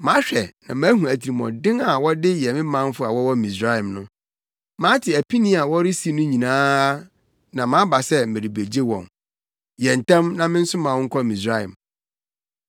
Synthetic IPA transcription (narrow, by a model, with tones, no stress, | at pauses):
mã˨˦ɕᶣɛ˨nã̰˨mãː˨˦hũ˨æ˨tʰi˨ɾi˨mɔ̰̃˨dɪ̃˦ŋa˨wɔ˦dɪ˦jɛ˨mɪ̃˦mã˦m˦fʊ˦a˨wɔ˦wɔ˦mĩ˨sa˦ɛ̃˨mnʊ̃˦ | mã˨˦tʰɪ˨æ˨pʰi˦nĩ˦a˨wɔ˦ɾɪ˦si˨˦nʊ̃˦ɲĩ˨nãː˦ | nã˨mã˨˦ba˨sɛ˦mẽ˨ɾi˨be˨d͡ʑe˦wɔ̰̃˨n | jɛ˨n̩˨tʰã˦mnã˦mɪ̃˦n̩˦sʊ˦mãː˨wŋ̩˦kʰɔ˦mĩ˨sɾa˦ɛ̰̃˨m